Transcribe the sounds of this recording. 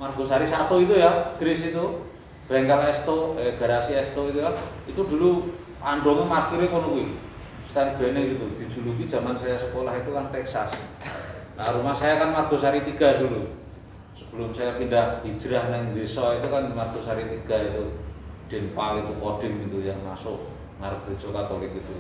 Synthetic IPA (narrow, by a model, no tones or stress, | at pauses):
marɡ̥o̤saɾisat̪uit̪̬ujaɡ̥ɾɪsit̪u | b̥ɛŋkalɛst̪oeɡ̥a̤ɾasiɛst̪oit̪ukanit̪ud̪̥ṳlu | panɖoŋemarkiɾekonuki | st̪aɾib̥ɛ̤neɡit̪ud̪̥i̤̥d͡ʒ̥ṳluki̥d͡ʒ̥a̤mansajasəkolahit̪ukant̪ɛksas | laɾumahsajakanmarɡ̥o̤saɾit̪iɡ̥a̤d̪̥ulu | səb̥əlʊmsajapindahi̥ʒ̥ɾahnɛŋbesɔit̪ukanmarɡ̥o̤saɾit̪iɡ̥a̤it̪uɖ̪̥e̤npawit̪upɔd̪̥ɪ̤ŋit̪ujaŋma̰soʔ | ŋaɾəke̤̥d͡ʒ̥okat̪olɪk̚it̪u